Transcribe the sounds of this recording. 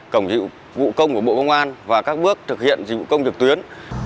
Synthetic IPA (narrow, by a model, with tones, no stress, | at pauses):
kə˧˩wŋ͡mzḭ˧˨ | vṵ˧˨kə˧wŋ͡mku˧˩əɓo̰˧˨˧kə˧wŋ͡mʔaː˧nvaː˨˩kaː˦˥k̚ɓɨ˦˥ək̚t̪ʰɨ˨˩k̚hḭ˧˨ənzḭ˨˧˩vṵ˧˨kə˧wŋ͡mzɨ˨˩k̚t̪wi˨˦ən